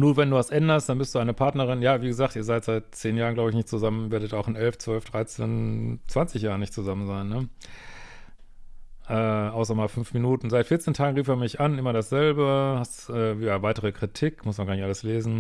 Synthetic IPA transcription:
nuːvɛnduːvasʔɛndɐstd̥anbɪstd̥uːaɪnəpʰaɐtnəɐʁ̞ɪnjaːviːɡəzaːk̚tiːɐzaɪtz̥aɪt̚t͡seːnjaːʁnɡlaʊbɪçnɪçtt͡suzamənveːɐdətaʊxɪnɛlft͡sv̥œlfd̥ʁaɪt͡seːnt͡sv̥ant͡sɪçjaːʁənɪçtt͡suzamənzaɪnːə | ʔɛːʔaʊs̬ɐmaːlfʏnfminuːtn̩zaɪtfɪɐt͡seːntʰaːɡŋ̩ʁiːfeːɐmɪçʔanʔɪmɐɾasz̥ɛlbəhastʔɛːjavaɪtəʁ̞əkʁ̥itʰiːkmʊsmanɡaːnɪçʔaləsleːzn̩

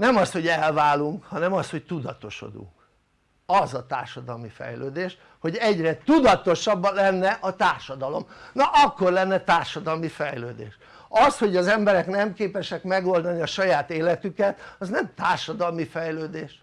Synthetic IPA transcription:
nɛmɒst̪ho̞ɟɛlvaːlːuŋkhɒnɛmɒsho̞ct̪ud̪ɒt̪o̞̰ʃo̞̰d̪ṵŋk | ɒzɒt̪a̰ːrʃɒd̪ɒlmifɛ̰jløːd̪eːʃ | ho̞ɟɛɟrɛt̪ud̪ɒt̪o̞ʃɒbːɒlɛnːɛʔɒt̪aːrʃɒd̪ɒlo̞̰mnɒʔɒkːorlɛnːɛt̪aːrʃɒd̪ɒlmifɛjløːd̪ḛːʃ | ɒsho̞ɟɒzɛmbɛɾɛknɛmkeːpɛʃɛkmɛɡo̞ld̪ɒniɒʃɒjaːt̪eːlɛt̪ykɛt̪ɒznɛmt̪aːrʃɒd̪ɒlmifɛjløːd̪eːʃ

